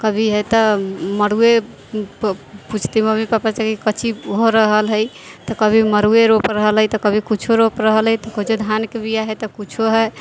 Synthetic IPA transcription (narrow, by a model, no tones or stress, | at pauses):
kəbʱiɦɛt̪əməɾue | put͡ʃʰt̪iməmipapat͡ʃakikət͡ʃʰiɦoɾəɦəlɦəj | t̪ɔkəbʱiməɾueɾopɾəɦəlɦəjt̪ɔkəbʱikut͡ʃʰoɾopɾəɦəlɦəjt̪ɔkod͡ʒed̪ʱankebijaɦɛt̪ɔkut͡ʃʰoɦɛ